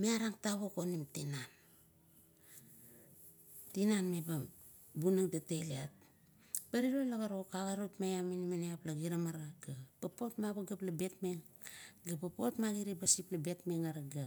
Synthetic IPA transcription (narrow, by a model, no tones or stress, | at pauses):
meaɾaŋtaβoko̞nimtinan | tinanmeba | bunaŋtateliat̚ | paɾiɾolaɡaɾo̞kaɣaɾotmajaminimaniaplaɡiɾamaɾaɡapapo̞tmaβaɡaplabe̞tme̞ŋ | ɡapapo̞tmaɡiɾibasiplabe̞tme̞ŋaɾaɡa